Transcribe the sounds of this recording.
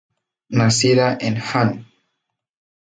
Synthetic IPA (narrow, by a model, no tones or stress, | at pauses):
nasiðaʔenxan